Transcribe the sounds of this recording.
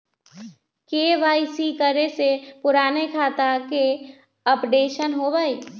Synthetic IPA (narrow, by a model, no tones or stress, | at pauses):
keːʋaːisikəɾesepʊɾaːnekʰaːt̪ake | əpɖeːʃənɦobaːi